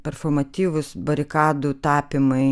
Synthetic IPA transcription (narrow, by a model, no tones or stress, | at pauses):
pʲɛɾfoːmɐt̪ʲiːʋʊsbɐɾʲɪkɑːd̪uːt̪ɑːpʲɪmɐɪ